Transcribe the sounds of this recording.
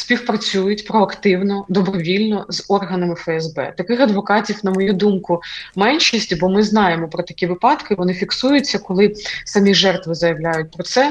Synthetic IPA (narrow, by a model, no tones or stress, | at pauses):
sʲpʲixpɾɐt͡sʲujʊtʲpɾɔɐkt̪ɪwnɔd̪ɔbɾɔʋʲilʲnɔzɔrɦɐnɐmɪfɛɛzbɛ̰t̪ɐkɪxɐd̪ʋɔkɑtʲiwnɐmɔjud̪umkʊmɛnʃisʲtʲbɔmɪznɑjemɔpɾɔt̪ɐkʲiʋɪpɑd̪kɪʋɔnɪfʲiksujʊt͡sʲːɐkɔlˠɪsɐmʲiʒɛrt̪ʋɪzɐjɐʋlʲajʊt̚ʲpɾɔt̪sɛ